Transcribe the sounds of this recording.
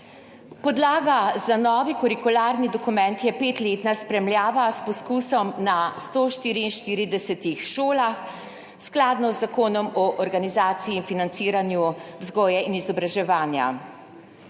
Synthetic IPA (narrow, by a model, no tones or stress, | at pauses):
pɔd̪laːɡazanɔːʋikɔɾikulaɾnid̪ɔkumɛnt̪jɛpeːt̪leːt̪naspɾɛmljaːʋaspɔskuːsɔmnast̪oːʃt̪iːɾiːnʃt̪iːɾid̪ɛsɛt̪ixʃoːlax | sklaːd̪nɔzːakoːnɔmɔʔɔɾɡanizaːt̪siiːnfinant̪siːɾanjuwzɡɔːjɛinizɔbɾaʒɛʋaːnja̰